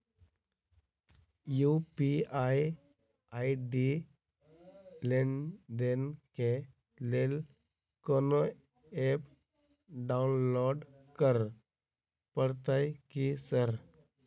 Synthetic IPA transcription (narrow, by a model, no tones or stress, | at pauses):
jupiaj | aːiɖi | lenɖenke | lel | kono | ep | ɖaʊnloːɖ | kəɾ | pəɽt̪ajkisəɾ